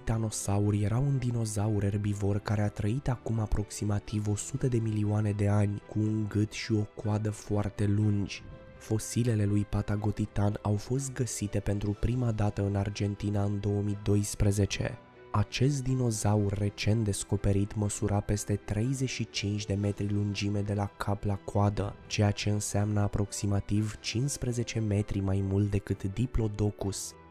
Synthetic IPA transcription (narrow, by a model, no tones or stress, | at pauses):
t̪ano̞saurje̞ɾawund̪ino̞zauɾe̞rbivo̞rkaɾe̞at̪ɾəit̪akumapɾo̞ksimat̪ivo̞sut̪əd̪e̞milioane̞d̪e̞anʲkʰuːnɡɨt̪ʃio̞koad̪əfoart̪e̞lund͡ʒʲ | fo̞sile̞le̞lujpat̪aɡo̞t̪it̪anawfo̞s̬t̪̚ɡəsit̪e̞pe̞nt̪ɾupɾimad̪at̪əɨnard͡ʒe̞nt̪inaɨnd̪o̞əmid̪o̞jspɾeze̞t͡ʃe̞̰ | at͡ʃe̞s̬t̪̚d̪ino̞zaurːe̞t͡ʃe̞nt̪̚d̪e̞sko̞pe̞ɾit̪məsuɾape̞st̪e̞t̪ɾe̞jze̞ʃit͡ʃint͡ʃʲd̪e̞me̞t̪ɾilund͡ʒime̞d̪e̞lakʰaplakoad̪ə̰t͡ʃe̞jat͡ʃe̞ɨnseamnəapɾo̞ksimat̪ivt͡ʃinsspɾeze̞t͡ʃe̞me̞t̪ɾimajmult̪d̪e̞kɨt̪d̪iplo̞d̪o̞kus